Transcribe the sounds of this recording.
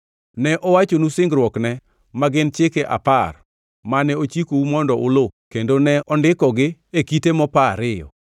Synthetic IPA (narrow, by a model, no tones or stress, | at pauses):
nɛʔɔwat͡ʃonusɪŋɡɾwɔknɛ | maɡɪnt͡ʃɪkeʔa̰par | manɛot͡ʃikoumɔndɔʔʊlokendonɛʔɔndɪkɔɡɪekitemɔpaɾɪjɔ̰